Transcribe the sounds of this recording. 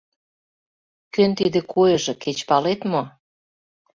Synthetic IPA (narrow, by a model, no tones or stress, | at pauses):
kønt̪id̪ĕkʰojɤ̆ʒĕket͡ɕpɑlet̪mo